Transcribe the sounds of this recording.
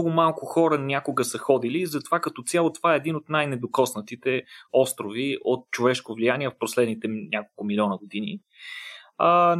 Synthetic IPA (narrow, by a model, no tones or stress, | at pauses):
ɔɡʊmalˠkʊxɔɾənʲakʊɡəsəxɔd̪ilizɐt̪ovakət̪ɔt̪sʲalˠot̪ovaɛːd̪inot̪najnɛd̪okɔsnət̪it̪ɛɔst̪ɾoviʔot̪̚t͡ʃovɛʃkovlijaniɛfposlɛd̪nit̪ɛnʲʔakolˠkʊmilʲiɔnəɡod̪inḭ | ə